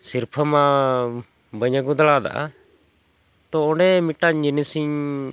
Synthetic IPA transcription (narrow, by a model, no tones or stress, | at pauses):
siɾpʰəma | bəɲəɡɔd̪əɭad̪a̰ʔa̰ | t̪ɔɔɳɖɛmiʈaɲd͡ʒənisiɲ